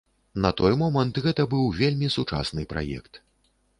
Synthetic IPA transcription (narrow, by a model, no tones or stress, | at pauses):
nɐt̪ɔjmɔmɐnt̪ɣɛt̪ɐbɨwvʲelʲmʲisut͡ʂa̰snɨpɾa̰jɛ̰kt̪